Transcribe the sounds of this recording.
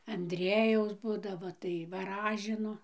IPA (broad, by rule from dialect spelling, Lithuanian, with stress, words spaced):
ɐnʲˈdʲrʲiɛjɛʊs ˈbuːdɐʋoː tɐɪ ʋɐˈrɑːʒʲɪnoː